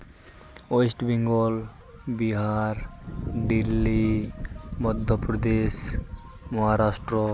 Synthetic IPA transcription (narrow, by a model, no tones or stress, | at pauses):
ojsʈbiŋɡɔl | biɦaɾɖilːi | mɔd̪ʱːopɾod̪eʃ | mɔɦaɾasʈɾo